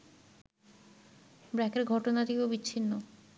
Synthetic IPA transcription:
bɾɛkeɾɡʱɔʈonat̪ʰekeobitːɕʰinːo

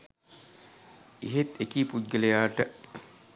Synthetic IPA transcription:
iɦet̪ekiːpud̪̚ɡəlejaːʈə

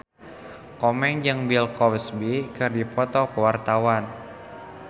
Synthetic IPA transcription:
kɔmɛŋd͡ʒəŋbilkɔwsbikɨrdipɔt̪ɔkəwart̪awan

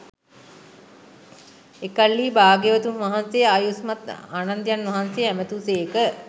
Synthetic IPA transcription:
ekalːiːbaːɡeʋət̪umʋaɦansejəaːjusmat̪aːnand̪janʋaɦansejəæmət̪uːseːkə

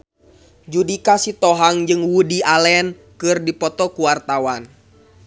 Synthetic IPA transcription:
d͡ʒudikasit̪ɔɦaŋd͡ʒɨŋwudialɛn | kɨrdipɔt̪ɔkuwart̪awan

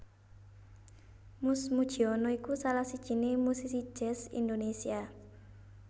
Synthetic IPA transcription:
mʊsmud̥ʒ̥i̤ɔnɔikusalahsid̥ʒ̥i̤nemusisi̥ʒ̥ɛ̤sḭnd̪onesia

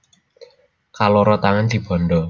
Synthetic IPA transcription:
kaloɾɔt̪aŋand̪̥i̤b̥ɔ̤ndɔ

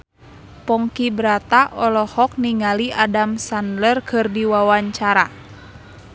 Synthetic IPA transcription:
pɔŋkibɾat̪aʔɔlɔhɔk̚niŋaliʔadamsandlərkʰɨrdiwawaɲt͡ʃaɾa

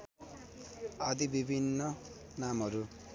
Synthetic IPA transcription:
ʌd̪ibibʱinːʌ | namɦʌɾu

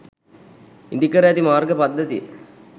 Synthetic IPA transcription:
ind̪ikɐɾɐjɐt̪imaːɾɡəpɐd̪ːɐt̪ij

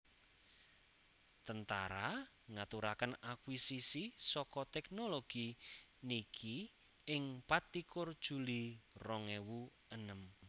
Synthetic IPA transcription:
t̪ənt̪a̰ɾa | ŋat̪uɾakənakwisisisɔkɔt̪ɛknoloɡ̥inikʰi | ɪŋpat̪ːikʊrd̥ʒ̥ṳlirɔŋewu | ənəm

